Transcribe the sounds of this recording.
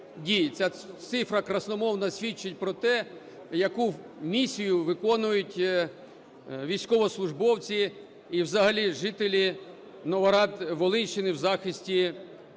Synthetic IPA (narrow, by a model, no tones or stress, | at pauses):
dʲijt͡sʲat̪sɪfɾɐkɾɐsnɔmɔwnɐsʲʋʲit͡ʃːɪtʲpɾɔt̪ɛ | jɐku | mʲisʲijʊʋɪkɔnʊjʊtʲ | ʋʲijsʲkɔʋɔslˠʊʒbɔwt͡sʲi | iwzɐɦɐlʲiʒɪt̪elʲi | nɔʋɐɾɑd̪ʋɔlˠɪnʃt͡ʃːɪnɪwzɑxɪsʲtʲi